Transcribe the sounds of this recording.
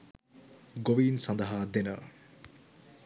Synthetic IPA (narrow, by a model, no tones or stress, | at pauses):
ɡoʋiːnsɐnd̪ɐɦaːd̪enə